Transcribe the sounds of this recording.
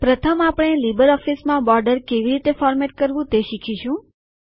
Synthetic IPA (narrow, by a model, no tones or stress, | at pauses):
pɾət̪ʰəmapəɽ̃elibəɾɔfismãbɔɾɖəɾkeʋiɾit̪efɔɾmeʈ̚kəɾʋũt̪eʃikʰiʃũ